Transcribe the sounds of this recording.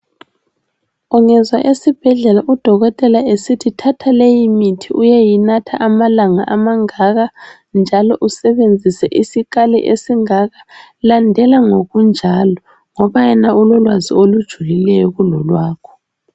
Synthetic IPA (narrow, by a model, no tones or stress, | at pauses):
uŋɛzwaʔesib̥ʱɛɮɛlaʔud̥ʱɔɣɔtʼɛlaesitʰitʰatʰalejimitʰiʔujɛjinatʰaʔamalaŋaʔamaŋaɣa | nd͡ʒʱalɔʔusɛβend͡zʱisɛʔisik̬alɛ̰ʔesiŋaɣalandʱɛlaŋoɣund͡ʒʱalɔ | ŋɔβajɛnaulɔlwazḭolud̥ʒ̥ʱulilɛjɔɣulɔlwaːkʰɔ̥